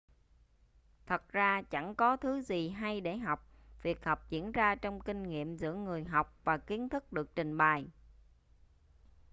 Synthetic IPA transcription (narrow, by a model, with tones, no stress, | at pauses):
t̪ʰə˨˩t̚zaː˧t͡ɕa˧˩ŋkɔ˨˦t̪ʰɨ˨˦zi˨˩ɦa˧jɗe˧˩ɦa˨˩wk͡p̚ | vi˨˩ət̚ha˨˩wk͡p̚zḭ˧˥ənzaː˧t͡ɕɔ˧wŋ͡mkï˧ŋ̟ŋḭ˧˨əmzɨ̰˧˥əŋɨ˨˩əjɦa˨˩wk͡p̚vaː˨˩ki˨˦ənt̪ʰɨ˦˥k̚ɗɨ˨˩ək̚t͡ɕï˨˩ŋ̟ɓaː˨˩j